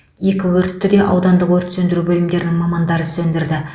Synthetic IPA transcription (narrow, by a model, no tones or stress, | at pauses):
je̞kʲɪwɵɾt̪ːɪd̪e̞ʔɑ̰wd̪ɑnd̪əqwo̞ɾt̪ə̥sɵnd̪ɪɾubɵlɪmd̪e̞ɾɪnɪŋmɑmɑnd̪ɑɾəsɵnd̪ɪɾd̪ɪ